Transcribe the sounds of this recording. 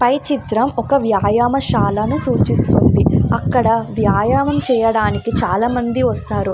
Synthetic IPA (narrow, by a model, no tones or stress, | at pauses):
pɐjt͡ʃit̪ɾɐmɔkɐʋjaːjaːmɐʃaːlɐnusuːt͡ʃist̪und̪iɐkːɐɽɐʋjaːjaːmɐmt͡ʃɛːjɐɽaːnikit͡ʃaːlaːmɐnd̪iʋɐst̪aːɾu